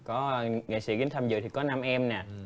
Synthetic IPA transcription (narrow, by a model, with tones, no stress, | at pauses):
kɔ˨˦ŋa̰˧˨sḭ˧˥ki˨˦ŋ̟t̪ʰə˧mzɨ̰˨t̪ʰi˨˩kɔ˨˦na˧mʔɛ˧mnɛː˨˩